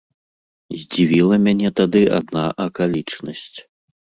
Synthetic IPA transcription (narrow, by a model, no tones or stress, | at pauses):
zʲd͡zʲivʲilˠɐmʲanʲɛt̪ad̪ɨa̰d̪naʔɐkalʲit͡ʂnɐsʲt͡sʲ